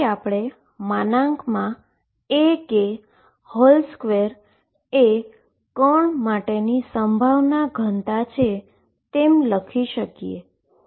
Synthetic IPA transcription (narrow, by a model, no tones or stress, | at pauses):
apɽ̃e | manãŋkmã | eke | hɔlskʋeɾ | e | kəɳmaʈenisəmbʱaʋnaɡʱənt̪at͡ʃʰe | t̪emləkʰiʃəkijḛ